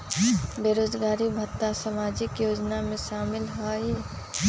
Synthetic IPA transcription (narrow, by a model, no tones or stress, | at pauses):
beɾoːd͡ʒɡaːɾibʱət̪ːasəmaːd͡ʒɪkjoːd͡ʒnamẽʃaːmɪlɦɔi